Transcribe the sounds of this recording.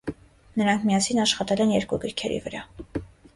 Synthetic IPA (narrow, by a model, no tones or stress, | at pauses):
nəɾɑŋkʰmijɑsinɑʃχɑt̪ɛlɛnjɛɾkuɡəɾkʰɛɾḭvəɾɑ